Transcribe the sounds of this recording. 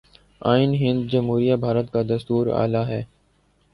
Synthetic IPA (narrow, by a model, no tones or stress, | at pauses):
aːɪnɦɪ̃nd̪̚d͡ʒəmɦuːɾijabʱaːɾət̪kad̪ɐst̪uːɾa̰ːlaɦɛː